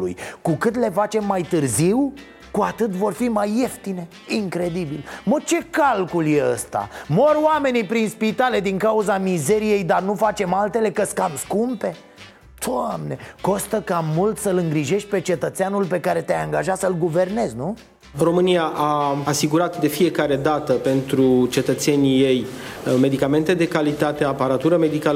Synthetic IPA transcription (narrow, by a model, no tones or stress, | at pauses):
ṵjkukɨt̪̬le̞fat͡ʃe̞mːajt̪ɨrziw | kuat̪ɨt̪vo̞rfimajːe̞ft̪ine̞ | iŋkɾe̞d̪ibilmət͡ʃe̞kalkulje̞ə̰st̪a̰mo̞roame̞nipɾinspit̪ale̞d̪iŋkauzamize̞ɾije̞jd̪arnufat͡ʃe̞malt̪e̞le̞kəskamskumpe̞ | d̪̥amne̞ko̞st̪əkamult̪səlɨŋɡɾiʒe̞ʃt̪̚ʲpe̞t͡ʃe̞t̪ət̪seanulpe̞kaɾe̞t̪eajaŋɡaʒat̪səlɡuve̞rne̞znu | ro̞mɨnijaʔaːsiɡuɾat̪d̪e̞fije̞kaɾe̞d̪at̪əpe̞nt̪ɾut͡ʃe̞t̪ət̪se̞nʲijej | me̞d̪ikame̞nt̪e̞d̪e̞kalit̪at̪e̞apaɾat̪uɾəme̞d̪ikalə